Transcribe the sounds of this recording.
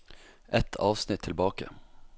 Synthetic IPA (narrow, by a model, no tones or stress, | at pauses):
ʔɛt̪ʰɑ̰ːʋsnɪt̪ʰːɪlbɑːkə̰